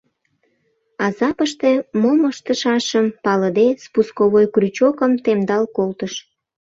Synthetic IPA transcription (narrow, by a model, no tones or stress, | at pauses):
ɑzɑpəʃt̪emoməʃt̪əʃɑʃəmpɑləd̪espuskoβojkryt͡ɕokəmt̪emd̪ɑlkolt̪əʃ